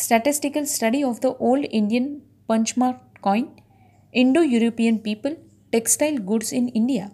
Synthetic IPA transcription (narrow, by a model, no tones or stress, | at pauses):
sʈɐʈɪsʈɪkɐlsʈɐɖiɔʋd̪əʔoːlɖɪ̃ɳɖijɐ̃n | pɐ̃nt͡ʃmaːɾ | kɔ̃ɪ̃n | ɪ̃ɳɖoːjuːɾopiːə̃npiːpəl | ʈeksʈaɪlɡʊɖsɪ̃nɪ̃ɳɖija